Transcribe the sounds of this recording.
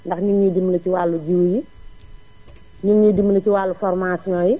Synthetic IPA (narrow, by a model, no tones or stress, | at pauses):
ndɐxɲuŋɲidimːlɐciwaːlːud͡ʒiwji | ɲuŋɲidimlɐtiwalːufɔrmasinɔːji